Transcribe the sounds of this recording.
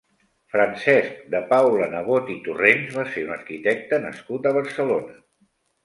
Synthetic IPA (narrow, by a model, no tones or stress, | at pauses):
fɾənsɛsk̚d̪əpawlənəɣ̞ot̪it̪urenzβaseunəɾkit̪ɛk̚t̪ənə̰skut̪əβ̞əɾsəlonə